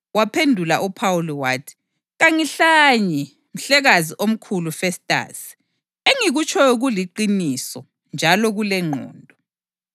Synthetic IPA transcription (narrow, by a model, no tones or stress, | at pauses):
wapʰendʱulaʔupʰawuliwaːtʰi̥ | ɣaŋiɬaɲɛ | m̩ɬɛɣaziʔom̩kʰulufɛstʼa̰ːsi̥ | eŋiɣut͡ʃʰʼɔjɔɣuliǃinisɔ | nd͡ʒʱalɔɣulɛŋ͡ǃʱɔ̰ːndʱɔ